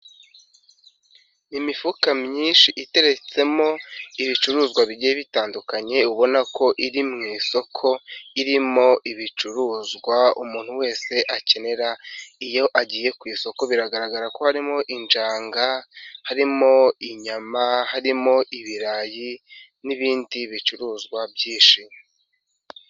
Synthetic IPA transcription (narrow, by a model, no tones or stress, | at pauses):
imifukamɲiːnʃiʔite̞ɾe̞t͡se̞mo̞iβit͡ʃuɾuːzɡwaβiɟijeβitaːndukaɲe̞uβo̞nako̞ʔiɾimŋiːso̞kʰo̞iɾimo̞ʔiβit͡ʃuɾuːzɡwaumuːn̥huwe̞ːse̞ʔace̞ne̞ɾaijo̞ʔaɟiːje̞kwiːso̞ko̞βiɾaɡaɾaɡaɾako̞haɾimo̞ʔind͡ʒaːŋɡahaɾimo̞iɲamahaɾimo̞ʔiβiɾaji | niβiːndiβit͡ʃuɾuːzɡwabɟiːʃime